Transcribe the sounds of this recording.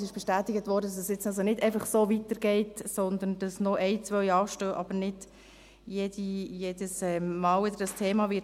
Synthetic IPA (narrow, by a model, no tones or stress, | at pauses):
sɪʃb̥ɛʃtæːt̪ɪɡətvɔːɾdədɑsɛsjɪt͡sɑlsonɪdɛæɪfɑχsoːvitəɾɡ̥ɛɪtsɔnd̪ənd̥ɑsnoʔɛɪt͡sʋœʏɑːʃtøːʔɑbəɾnɪd̥ | jeːdijeːd̥əsɛmmɑːlʏd̪əɾd̥ɑstʰeːmɑvɪ